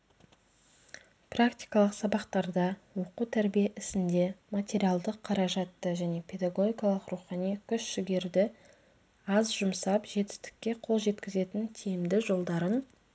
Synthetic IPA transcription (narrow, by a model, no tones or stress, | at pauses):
prakt̪ʲi̥jkɑlˠəqsɑbɑqt̪ɑɾd̪ɑwo̞qut̪ʰæɾbijeʔɪsɪnd̪e̞mat̪ʲe̞ɾijɑlˠd̪əqʰːɑɾɑʒɑt̪ːəʒæne̞pʰʲe̞d̪aɡo̞ɡʲijkɑlˠəqɾuχɑnijkʲʰʏʃʃɪɡʲe̞ɾd̪ɪ | ɑzʒʊmsɑpʒe̞t̪ɪ̥st̪ɪ̥kʲːe̞qʰo̞lˠʒe̞t̪kʲɪze̞t̪ɪnt̪ʰijɪmd̪ɪʒo̞lˠd̪ɑɾən